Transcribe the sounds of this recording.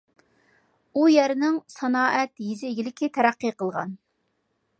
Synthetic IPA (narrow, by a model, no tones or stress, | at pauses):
ujæɾɪnɪŋsɑnɑːʔɛt̪jizɪːɡʲilɪkʲʰit̪ʰɛɾæqːɨqʰəlˠʁɑ̰n